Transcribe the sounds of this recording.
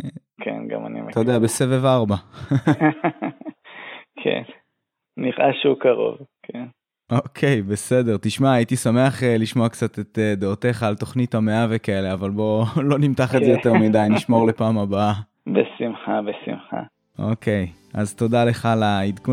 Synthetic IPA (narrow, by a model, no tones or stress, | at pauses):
kʰḛnɡa̰ma̰nḭmt̪odeabesevevaʁba | kʰḛn | niʁʔaʃeukaʁo̞̰vkʰen | okʰe̞jbe̞se̞de̞ʁt̪iʃmaːit̪isame̞aχeliʃmoakt͡sat̪et̪ed̪eote̞χaːlto̞χnitameavekae̞le̞avalbo̞lo̞nimt̪aχetzejotteʁmid̪ajniʃmo̞ʁlepaːmabaa | besimχabesḭmχa̰ | ʔo̰ke̞j | azt̪o̞dale̞χalaid̪ku